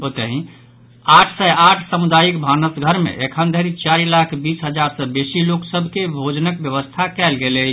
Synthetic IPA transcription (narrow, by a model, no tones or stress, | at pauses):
ot̪əɦĩ | aʈʰsɛaʈʰsəmud̪ajikbʱanəsɡʱəɾmḛ̃ʔekʰənd̪ʱeɾit͡ʃaɾilakʰbisɦəd͡ʒaɾsəbesiloksəbʱkebʱod͡ʒnəkbjəʋəst̪ʰakɛlɡele